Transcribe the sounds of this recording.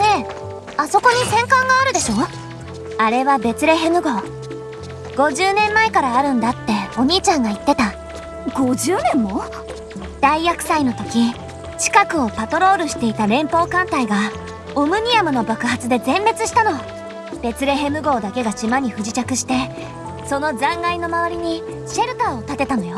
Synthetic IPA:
ne̞ | aso̞ko̞ɲ̟isẽ̞ŋkãŋɡaːɾɯ̟d̪e̞ɕo̞ː | aɾe̞βabe̞t͡sɨɾe̞ɦe̞mɯ̟ɡo̞ː | ɡ̥o̞ʑɨːnẽ̞mːaekaɾaːɾɯ̟̃nd̪at̪ːe̞o̞ɲ̟iːt͡ɕãŋɡait̪ːe̞t̪a | ɡ̥o̞ʑɨːnẽ̞mːo̞ | d̪̥aiakɯ̟̥saino̞t̪o̞kʲi | t͡ɕi̥kakɯ̟o̞pat̪o̞ɾo̞ːɾɯ̟ɕi̥t̪e̞it̪aɾẽ̞mpo̞ːkãnt̪aiɡa | omɯ̟ɲ̟iamɯ̟no̞bakɯ̟hat͡sɨd̪e̞zẽ̞mbe̞t͡sɨɕi̥t̪ano̞ | b̥e̞t͡sɨɾe̞ɦe̞mɯ̟ɡo̞ːd̪ake̞ɡaɕimaɲ̟iɸɯ̟ʑit͡ɕakɯ̟ɕi̥t̪e̞ | so̞no̞zãŋɡaino̞maβ̞aɾʲiɲ̟i | ɕe̞ɾɯ̟t̪aot̪at̪e̞t̪ano̞jo

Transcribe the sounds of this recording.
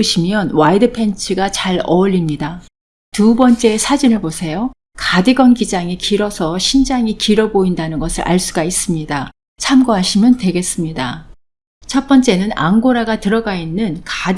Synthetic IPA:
ɕʰimjʌnwaidɯpʰe̞nt͡ɕʰɯɡat͡ɕaɭʌʎːimɲida | tubʌnt͡ɕ͈e̞ːsʰad͡ʑinɯɭposʰe̞jo | kadɯɡʌnɡid͡ʑaŋikiɾʌsʰʌɕʰind͡ʑaŋikiɾʌboindanɯnɡʌsʰɯɾʔa̰ɭs͈uɡais͈ɯmɲida | t͡ɕʰamɡoɦaɕʰimjʌntwe̞ɡe̞s͈ɯmɲida | t͡ɕʰʌp͈ʌnt͡ɕ͈e̞nɯna̰ŋɡoɾaɡatɯɾʌɡainːɯnkad

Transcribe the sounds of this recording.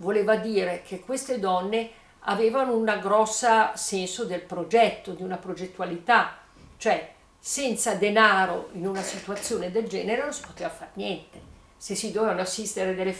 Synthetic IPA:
voleːvad̪iːɾekʰekwest̪ed̪ɔnːe | a̰veːvanounaɡɾɔsːasɛnsod̪elpɾod͡ʒɛt̪ːod̪iunapɾod͡ʒet̪ːualit̪a | t͡ʃoɛ | sɛnt̪sad̪enaːɾo̰inunasit̪uat̪sːjoːned̪eld͡ʒɛ̰ːneɾenõnsi̥pot̪eːvafarnjɛnt̪e | sesːid̪ovevanoasːist̪eɾed̪elːe

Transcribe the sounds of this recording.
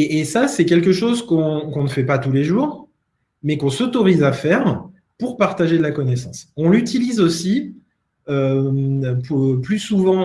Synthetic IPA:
eːsasɛkʲɛlk̬əʃozkɔ̃kɔ̃nəfɛpat̪uleʒuːʁ | mɛkɔ̃sɔt̪ɔʁizafɛʁ | puʁpaʁt̪aʒed̪lakɔnɛsɑ̃sɔ̃lyt̪ilizosi | ømpuplysuvɑ̃

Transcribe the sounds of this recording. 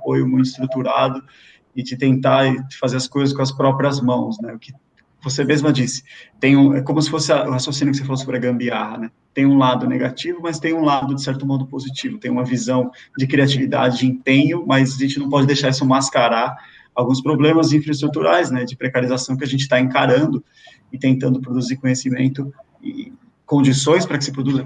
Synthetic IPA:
apojʊmũj̃t̪ʊɪst̪ɾut̪uɾa̰d̪ʊ | ɪd͡ʒɪt̪ẽnt̪ḁfazeɾɐskojzɐskõɐspɾɔpɾiɐzmɐ̃w̃snɛʊkɪ̥ | vosemezmɐd͡ʒisɪ̥t̪ẽj̃ũɛkõmʊsɪ̥fosɪɐʔʊhasjosĩnjʊkɪsefalosobɾɪɐɡɐ̃mbiahɐnɛ | t̪ẽj̃ũlad̪ʊneɡat͡ʃivʊmɐst̪ẽj̃ũlad̪ʊd͡ʒɪsɛɾt̪ʊmɔd̪ʊpozit͡ʃivʊt̪ẽj̃ũmɐvizɐ̃w̃d͡ʒɪkɾiat͡ʃivid̪a̰d͡ʒɪd͡ʒɪĩpẽɲʊmɐjzaʒẽnt͡ʃɪnɐ̃w̃pɔd͡ʒɪd̪ejʃaɾisʊmaskaɾaɾ | awɡũspɾoblẽmɐzĩfɾɐɪst̪ɾut̪uɾʔajsnɛd͡ʒɪpɾekaɾizasɐ̃w̃kɪaʒẽnt͡ʃɪ̥t̪aẽkaɾɐ̃nd̪ʊ | ɪt̪ẽnt̪ɐ̃nd̪ʊpɾod̪uziɾkõɲesimẽnt̪ʊ | ɪ̰ | kõnd͡ʒisõj̃spɾɐkɪ̥sɪ̥pɾod̪uzɐ

